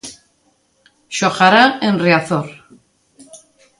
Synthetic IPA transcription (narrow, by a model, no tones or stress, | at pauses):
ʃoχaɾaenriaθoɾ